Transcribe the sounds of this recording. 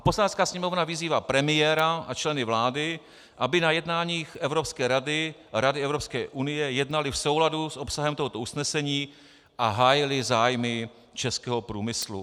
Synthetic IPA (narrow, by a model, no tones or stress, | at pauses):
poslanɛt͡skaːsɲɛmo̞vnavɪziːvaːpɾɛmɪjɛːɾaʔat͡ʃlɛnɪvlaːdɪ | ʔabɪnajɛdnaːɲiːxʔɛvɾopskɛːɾadɪɾadɪɛvɾopskɛːʔunɪjɛjɛdnalɪfso̞wladusʔopsaɦɛmt̪oɦot̪ousnɛsɛɲiː | ʔaɦaːjɪlɪzaːjmɪ | t͡ʃɛskɛːɦo̞pɾuːmɪslṵ